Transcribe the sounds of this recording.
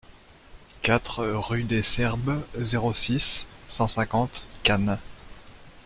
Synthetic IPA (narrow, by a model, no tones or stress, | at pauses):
kat̪χʁyd̪esɛʁbzeʁosisːɑ̃sɛ̃kɑ̃t̪kan